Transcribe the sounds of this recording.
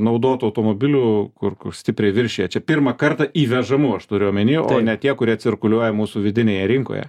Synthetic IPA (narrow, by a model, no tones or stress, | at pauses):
nɐʊd̪oːt̪ɐʊt̪oːmoːbʲɪlʲuːkʊrkʊrsʲt̪ʲɪpʲɾʲɛɪʋʲɪɾʲʃʲeːjɛt͡ʃʲɛpʲɪrmɐkɐrt̪ɐʔiːʋʲɛʒɐmuɐʃt̪ʊɾʲʊjomʲɛnʲiːjʔoːnʲɛt̪ʲiɛkʊɾʲiɛt̪sʲɪrkʊlʲuɔjɛmuːsuʋʲɪd̪ʲɪnʲeːjɛɾʲɪŋko̰ːjɛ̰